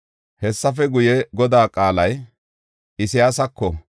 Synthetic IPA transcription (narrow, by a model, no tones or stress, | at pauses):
hɛsːɐfɛɡʊjɛɡɔd̪aːkʼaːlɐj | ɪsɪjaːsɐkːɔ